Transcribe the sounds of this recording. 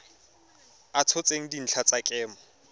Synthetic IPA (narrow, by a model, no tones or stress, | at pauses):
at͡sʰɔt͡sʼeŋ̩din̩t͡ɬʰat͡sʼakʼɛːmɔ